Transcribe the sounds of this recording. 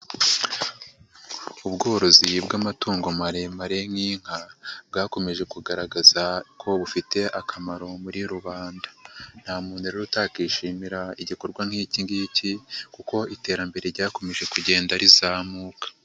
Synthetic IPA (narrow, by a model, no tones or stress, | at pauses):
ubɡo̞ːɾo̞zibɡamatuːŋɡo̞maɾemaɾe̞ŋiːŋ̥hab̚ɡaːko̞me̞ʒe̞kuɡaɾaɡazakʰo̞βufite̞ʔakʰamaɾo̞muɾiɾuβaːndḁn̥haːmuːnuɾeɾutaːkiːʃiːmiɾaiɟikoɾɡwaŋhiːciŋɡicikuko̞ite̞ːɾambe̞ɾe̞ɾɟaːko̞me̞ʒe̞kuɟe̞ːndaɾizaːmuːkḁ